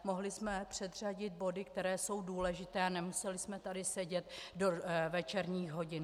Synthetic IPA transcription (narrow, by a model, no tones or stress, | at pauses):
mo̞ɦlɪsmɛpr̥ɛd̪r̝aɟɪd̪̚bo̞dɪk̚t̪ɛɾɛːso̞wduːlɛʒɪt̪ɛːanɛmusɛlɪsmɛt̪adɪsɛɟɛt̪dovɛt͡ʃɛɾɲiːxɦo̞ɟɪn